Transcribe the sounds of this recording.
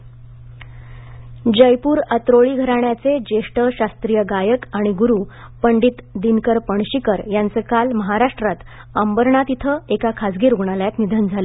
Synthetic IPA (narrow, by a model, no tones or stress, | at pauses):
d͡ʑəjpuːɾət̪ɾoɭiːɡʱəɾaɳjat͡sed͡ʑeʂʈəɕast̪ɾijəɡajəkaɽ̃iɡuɾuːpəɳɖiːt̪d̪inkəɾpəɳ̃ɕikəɾjant͡səkalməɦaɾaʂʈɾat̪ | əmbəɾɳat̪it̪ʰəekakʰad͡zɡiːɾuɡɳ̃aljat̪nid̪ʱənd͡zʱalə